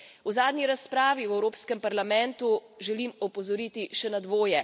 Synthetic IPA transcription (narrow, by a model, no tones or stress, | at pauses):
wzaːd̪nʲiɾaspɾaːʋiwɛwɾoːpskɛmpaɾlamɛnt̪uʒɛlimɔpɔzɔɾiːt̪iʃɛnad̪ʋoːjɛ